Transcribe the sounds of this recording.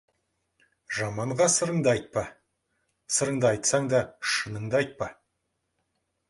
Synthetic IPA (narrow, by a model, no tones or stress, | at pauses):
ʒɑmɑɴʁɑsəɾəɴd̪əɑjt̪̚pɑ | səɾəɴd̪əɑjt̪sɑŋd̪ɑʃənəɴd̪əɑjt̪̚pɑ